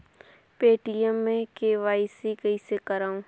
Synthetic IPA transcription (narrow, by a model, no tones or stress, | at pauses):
peːʈiəmːẽkeːʋaːisikɐisekɐɾaːũ